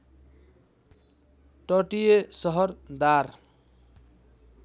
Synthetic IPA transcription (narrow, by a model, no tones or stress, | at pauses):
ʈʌʈijesʌɦʌɾd̪aɾ